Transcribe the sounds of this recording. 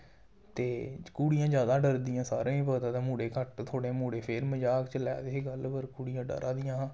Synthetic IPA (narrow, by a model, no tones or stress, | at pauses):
t̪eːkuːɽijãːd͡ʒjaːd̪aːɖəɾd̪ijãːsa̰ːɾãːĩːpəːt̪ãːt̪ːmuːɽeːkəʈt̪ʰoːɽeːmuːɽeːpʰɪɾməd͡ʒaːkt͡ʃəlɛːd̪eɦɡəlpəɾkuːɽijãːɖə̰ɾʔãːd̪ɪjãː